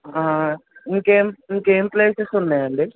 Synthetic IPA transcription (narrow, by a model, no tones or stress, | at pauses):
aːŋkeːmiŋkeːmpleːsesunːɐjaːɳɖɨ